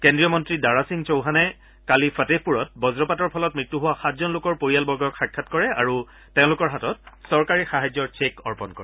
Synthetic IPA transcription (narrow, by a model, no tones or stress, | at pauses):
kendɹijɔmɔntɹidaɹasiŋt͡ʃowɦanɛ | kalifatepuɹɔt̚bɔzɹɔpatɔɹpʰɔlɔt̚mɹitːuɦʊwaxatzɔnlʊkɔɹpoɹijalbɔɹɡɔkxajkʰːatkɔɹɛa̰ɹu | tɛ̃ʊ̃lʊkɔɹɦatɔt̚sɔɹkaɹixaɦajd͡ʒɔɹt͡ʃekɔɹpɔnkɔ̰ɹɛ